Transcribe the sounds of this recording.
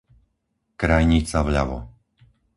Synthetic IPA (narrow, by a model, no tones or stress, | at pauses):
kɾajɲit͡saʋʎaʋɔ̰